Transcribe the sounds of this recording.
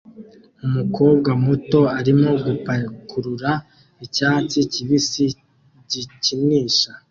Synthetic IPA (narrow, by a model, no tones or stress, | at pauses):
umukʰo̞ːbɡamuto̞aɾimo̞ɡupakʰuɾuɾa | icaːt͡siciβisi | ɟicimiːʃa